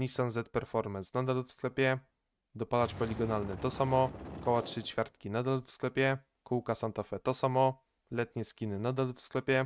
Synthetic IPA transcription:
nʲisanzɛt̪̚pɛɾfɔɾmɛnsnad̪alfsklɛpʲjɛ | d̪ɔpalat͡ʂpɔlʲiɡɔnalnɘt̪ɔsamɔkɔwatʂɘt͡ɕfʲjaɾt̪̚kʲinad̪alfsklɛpʲjɛ | kuwkasant̪afɛt̪ɔsamɔ | lɛt̪ɲɛskʲinɘnad̪alfsklɛpʲjɛ

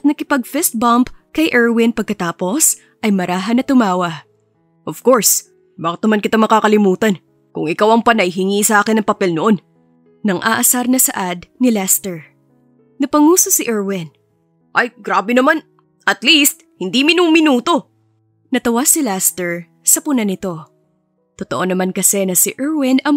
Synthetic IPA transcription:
t̪̚nɐkɪpɐɡ̚fɛst̪̚bɐmpkɐjʔɛɹwɪnpɐɡ̚kːɐt̪aːpo̞s | ʔɐjmɐɾʔaːɦɐnɐt̪ʊmaːwɐ | ʔov̥ko̞ɹs | baːkɪt̪nɐmankɪt̪amɐkakɐlɪmuːt̪ɐn | kʊŋɪkawɐŋpɐnajɦɪŋiːsɐʔaːkɪnɐŋpɐpɛlnoʔo̞n | nɐŋʔaʔɐsaɾnɐsɐ̰ʔad̪̚nɪlɛst̪ɛɹ | nɐpɐŋuːsosɪʔɛɹwɪn | ʔɐjɡɾaːbɛnɐman | ʔɐt̪list̪̚hɪnd̪imɪnʊŋmɪnuːt̪o̞ | nɐt̪ɐwasɪlɛst̪ɛɹ | sɐpʊnɐnɪt̪o̞ | t̪ot̪oʔo̞nɐmankɐsɛnɐsɪʔɛɹwɪnɐŋ

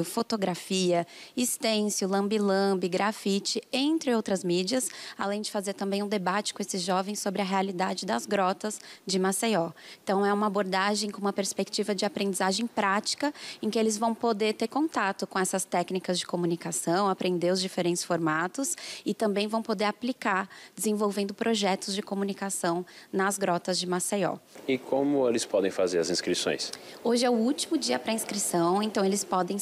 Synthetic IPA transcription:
fot̪oɡɾafiɐist̪ẽsjʊlɐ̃mbilɐ̃bɪɡɾafit͡ʃɪẽnt̪ɾɪowt̪ɾɐzmid͡ʒiɐsalẽj̃d͡ʒɪfazeɾt̪ɐ̃mbẽj̃ũd̪ebat͡ʃɪkõesɪzʒɔvẽj̃sobɾɪɐɦealid̪ad͡ʒɪd̪ɐzɡɾɔt̪ɐzd͡ʒɪmaseɔẽnt̪ɐ̃w̃ɛũmɐaboɾd̪aʒẽj̃kõũmɐpeɾspek̚t͡ʃivɐd͡ʒɪapɾẽnd͡ʒizaʒẽj̃pɾat͡ʃi̥kɐẽkɪelɪzvɐ̃w̃pod̪eɾt̪eɾkõnt̪at̪ʊkõɛsɐst̪ɛknikɐzd͡ʒɪkomunikasɐ̃w̃apɾʔẽnd̪eʊzd͡ʒifeɾẽnt͡ʃ̪ɪ̥sfoɾmat̪ʊsɪt̪ɐ̃mbẽj̃vɐ̃w̃pod̪eɾaplikaɾd͡ʒɪzẽvowvẽnd̪ʊpɾʔoʒɛt̪ʊzd͡ʒɪkomunikasɐ̃w̃nɐzɡɾɔt̪ɐzd͡ʒɪmasejɔ̰ɪkʰõmʊelɪspɔd̪ẽj̃fazeɾɐzĩskɾisõ̰j̃soʒɪɛʊut͡ʃimʊd͡ʒiɐpɾɐĩskɾisɐ̃w̃ẽnt̪ɐ̃w̃elɪspɔd̪ẽ

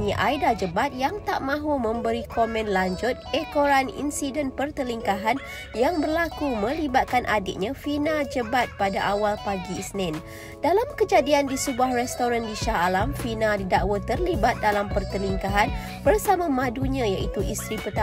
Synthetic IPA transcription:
ɲĩʔajdad͡ʒəbat̪̚jaŋt̪aʔmãɦumə̃mbəɾikomɛ̃nlaɲd͡ʒʊt̪̚ɛkoɾanḭnsidənpərt̪əliŋkaɦan | jaŋbərlakumə̃libat̪̚kanʔadɪ̰ʔ̚ɲãfinad͡ʒəbat̪̚padaʔawalpaɡisnɛ̃n | dalamkəd͡ʒadiandisəbuahrɛst̪oɾandiʃahalamfinadidaʔwət̪ərlibat̪̚dalampərt̪əliŋkaɦan | bərsamãmãduɲãjaʔit̪uʔist̪ɾipət̪a

